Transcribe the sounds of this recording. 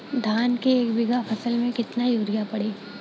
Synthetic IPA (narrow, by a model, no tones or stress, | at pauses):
d̪ʱaːnkeːkbɪɡʱapʰɐsəlmẽkɪt̪najuːɾɪjapɐɽeː